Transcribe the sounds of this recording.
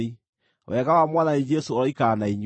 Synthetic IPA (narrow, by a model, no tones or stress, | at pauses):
i | wɛɣawamwananid͡ʒɛsoːɾɔikaːnaiɲ